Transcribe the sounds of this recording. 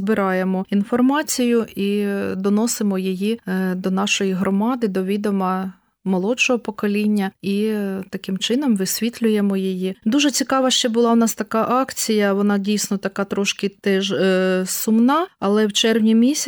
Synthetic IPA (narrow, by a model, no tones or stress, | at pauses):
zbɪɾʔɑjemɔinfɔrmɑt͡sʲijʊid̪ɔnɔsɪmɔjijid̪ɔnɑʃɔjiɦɾɔmɑd̪ɪd̪ɔʋʲid̪ɔmɐ | mɔlˠɔt͡ʃɔɦɔpɔkɔlʲinʲːɐit̪ɐkɪmt͡ʃɪnɔmʋɪsʲʋʲit̪ʲlʲʊjemɔjijid̪uʒɛt͡sʲikɑʋɐʃt͡ʃɛbʊlˠɑʊnɑst̪ɐkɑʔɑkt͡sʲijɐʋɔnɑdʲijsʲnɔt̪ɐkɑt̪ɾɔʃkɪt̪ɛʒsʊmnɑɐlˠɛwt͡ʃɛrwnʲimʲisʲ